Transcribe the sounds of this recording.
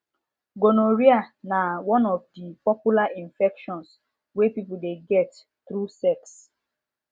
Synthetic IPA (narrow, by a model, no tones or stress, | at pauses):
ɡonoɹianawɔ̃nɔvdipɔpjulaʔĩnfɛkʃɔ̃ns | wepipudeɡɛt | tɾusɛks